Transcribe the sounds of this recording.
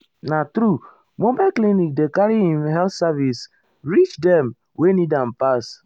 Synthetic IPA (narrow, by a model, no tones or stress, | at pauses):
natɾu | mobaklinik̚dekaɾihĩmɦɛltsavis | ɹit͡ʃdɛm | wenidãm̩pas